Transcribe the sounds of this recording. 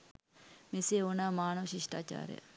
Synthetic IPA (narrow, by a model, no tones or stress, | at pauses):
meseːonaːmaːnɐʋɐʃiʂʈa̰ːt͡ʃa̰ːɾḛjə̰